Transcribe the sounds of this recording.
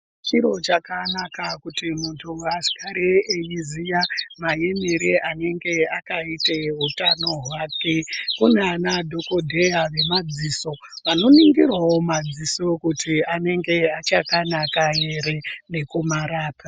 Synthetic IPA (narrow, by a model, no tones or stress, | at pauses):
t͡ʃiɾo̞t͡ʃakanakakutimuntʰuasi̥kʰaɾeejizijamajemiɾeʔane̞ŋɡe̞akaiteɦutano̞ɦwaːkekuneanadʱo̞kodʱe̞jaʋe̞mad͡ziːso̞ | ʋano̞niŋɡirwawo̞mad͡ziso̞kutiane̞ŋɡe̞at͡ʃakanakaje̞ɾene̞kumaɾaːpa